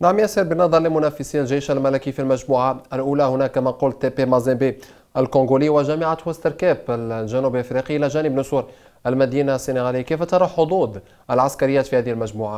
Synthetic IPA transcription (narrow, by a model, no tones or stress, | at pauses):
naʕmjæsiɾbənɑðˤɑɾˤləmʊnæfəsinlʒæʃælmælækifilmæʒmuːʕaælʔulæhʊnækːæmæquːlt̪epemɑzɛbi | ʔælkõŋɡuliwəʒæmaʕat̪hæst̪əɾkæbəlʒænublʔfɾiqiʔəlæʒænəbnʊsuɾ | ʔælmæd̪inasːineɣæliːkifæt̪ɑɾˤɑħod̪ˤuːd̪ | ʔəlʕaskæɾəjːæːt̪fihæːd̪ihilmæʒmuːʕa